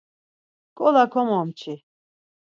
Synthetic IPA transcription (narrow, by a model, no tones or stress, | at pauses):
kʼɔlakʰɔmɔmt͡ʃʰi